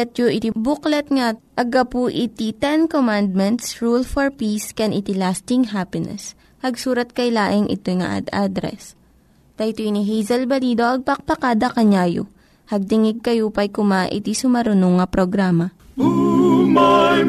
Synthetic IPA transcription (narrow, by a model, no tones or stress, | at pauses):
ɛt̪joʔɪt̪ibʊklɛt̪ŋaʔɐɡɐpuʔɪt̪it̪ɛnkomand̪̚mɛnt̪sɹulfɔɹpiskɛnʔɪt̪ɪlast̪ɪŋɦapɪnɛ̰s | hɐɡsuːɾɐt̪̚kɐjlaːʔɪŋʔɪ̰t̪ojŋa̰ʔa̰d̪ad̪ɾɛ̰s | t̪ɐjt̪oiniɦɛjzɐlbɐliːd̪oʔɐɡ̚pɐk̚pɐkad̪ɐkɐɲaːjo̰ | hɐɡ̚t̪ɪŋɪɡ̚kɐjopɐjkʊmaʔɪ̰t̪isʊmɐɾʊnoŋːɐpɾoɡɾaːmɐ